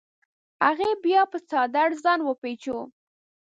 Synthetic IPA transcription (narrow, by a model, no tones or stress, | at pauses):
aɣebjɑpət͡sɑd̪aɽzɑnwəpet͡ʃo